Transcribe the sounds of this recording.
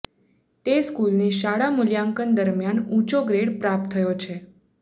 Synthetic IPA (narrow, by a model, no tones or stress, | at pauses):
t̪eskulneʃaɽamuljaŋkənd̪əɾmjanũt͡ʃoɡɾeɽpɾap̚t̪ʰːəjot͡ʃʰe